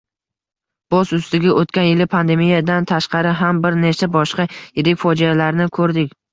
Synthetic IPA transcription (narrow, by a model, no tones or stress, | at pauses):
b̥ɒsʊst̪ɪɡʲaʔot̪kʲanjɪlɪpʰand̪e̞mijad̪ant̪ʰaʃqɑɾɪɦambɪɾnet͡ʃʰabɒʃqɑjɪɾɪkʲfɒd͡ʒialaɾnɪkʰɵɾd̪ɪkʲ